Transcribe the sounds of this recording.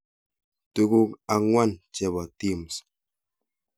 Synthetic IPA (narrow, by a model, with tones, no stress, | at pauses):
tu˦ku˦ka˨ŋwa˦nt͡ʃe˨βa˨t̪i˦˨ms